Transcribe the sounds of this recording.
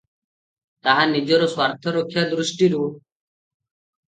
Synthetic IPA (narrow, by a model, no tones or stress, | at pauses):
t̪aɦãːnid͡ʒoɾoswaːɾt̪ʰəɾokʰjaːd̪ɾʊsʈiɾuː